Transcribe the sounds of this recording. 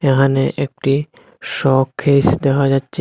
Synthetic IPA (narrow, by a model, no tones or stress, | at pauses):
eɦaneʔek̚ʈi | ʃɔkʰːejsd̪ɛkʰad͡ʑatːʃʰe